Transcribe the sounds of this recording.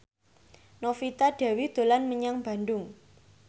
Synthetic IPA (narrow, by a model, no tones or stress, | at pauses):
nofit̪aɖ̥a̤wid̪̥o̤lanməɲaŋb̥a̤nd̪ʊŋ